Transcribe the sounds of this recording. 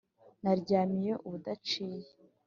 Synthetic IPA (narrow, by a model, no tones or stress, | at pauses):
naɾɟaːmijeʔuβudat͡ʃiːje